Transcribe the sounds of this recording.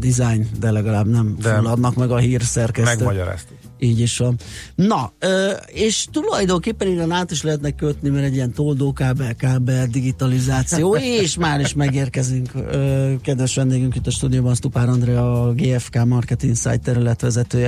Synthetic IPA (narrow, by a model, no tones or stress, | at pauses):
d̪izajnd̪ɛlɛɡɒlaːbnɛmfulːɒd̪nɒkmɛɡɒɦiːrsɛrkɛsɛt̪mɒɟɔɾa̰ːst̪u | iːɟiʃʋɒnnɒøːeːʃt̪ulɒjd̪oŋkeːpːɛnid̪ɛnaːt̪iʃlɛɦɛt̪nɛkːøt̪nimɛɾɛɟijɛnt̪oːld̪oːkaːbɛkaːbɛd̪iɡit̪ɒlizaːt̪sijoːeʃmaːɾiʃmɛɡeːrkɛzyŋkøːkɛd̪ʋɛʃʋɛnd̪eːɡyŋkint̪ːɒʃt̪uːd̪ijoːbɒnst̪upaːɾɒnd̪rɛɒɡeːɛfkaːmɒrkɛt̪iŋsa̰jt̪ːɛɾylɛt̪ʋɛzɛt̪øːjɛ